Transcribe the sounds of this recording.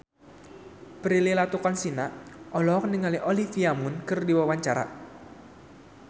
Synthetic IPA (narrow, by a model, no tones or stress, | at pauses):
pɾililat̪ukɔnsinaʔʔɔlɔk̚nəŋaliʔolifiamunkɨrdiwawaɲt͡ʃaɾa̰